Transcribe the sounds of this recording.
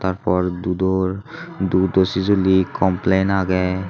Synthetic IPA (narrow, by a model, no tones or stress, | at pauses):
t̪aɹpʰɔɹd̪ud̪ɔ | d̪ud̪osizolikɔmplenaɡɛ